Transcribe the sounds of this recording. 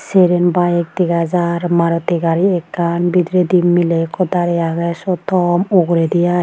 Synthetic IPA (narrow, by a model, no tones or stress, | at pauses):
seɾenbajek̚t̪iɡazaɾmaɾɔt̪iɡaɾiɛkːanbid̪ɾed̪imilekʰɔd̪aɾɛjaɡasɔt̪ɔmuɡɾed̪ijaj